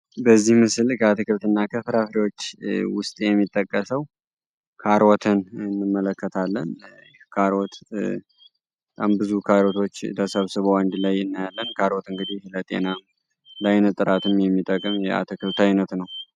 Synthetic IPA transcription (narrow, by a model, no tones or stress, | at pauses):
bəzːihmɨsɨlkʰəat̪ʰɨkɨlt̪ɨnːakʰəfɾafɾiwo̞t͡ʃːwʊst̪ʼjɛmːit̪ʼːəkʼːəsəw | kʰaɾɔt̪ʰɨnɨnːɨmːələkːət̪ʰalːən | kʰaɾot̪ | bt̪ʼambɨzukʰaɾot̪ʰo̞t͡ʃːt̪ʰəsəβsɨβowand̪lajɨnːajalːənkʰaɾot̪ɨŋɡɨd̪ihlət̪ʼe̞̰nam | lajnɨt̪ʼɨɾat̪ɨmjɛmːit̪ʼəkʼːɨmjɛa̰t̪ʰəkʰɨlt̪ʰajnət̪nəw